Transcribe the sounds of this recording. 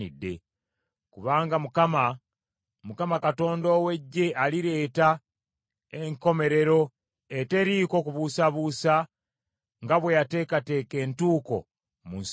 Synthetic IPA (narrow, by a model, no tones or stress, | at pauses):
idːe̞̰ | kuβaːŋɡamukama | mukamakato̞ːndo̞we̞ɟːe̞ʔaliɾe̞ːta | eŋko̞me̞ɾe̞ɾo̞ | ete̞ɾiːko̞kuβusaβusa | ŋɡaβwe̞jate̞ːkate̞ːke̞ːntuːko̞̰ | muns